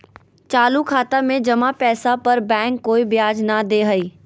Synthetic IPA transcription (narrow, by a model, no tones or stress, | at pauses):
t͡ʃaːlukʰaːt̪amẽd͡ʒɐmapɛːsapɐɾbɛ̃ːŋkːoːibjaːd͡ʒnad̪eːɦɐiː